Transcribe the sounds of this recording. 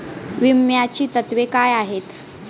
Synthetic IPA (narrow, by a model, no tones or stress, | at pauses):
ʋimjat͡ɕiːt̪ət̪ʋekajaɦet̪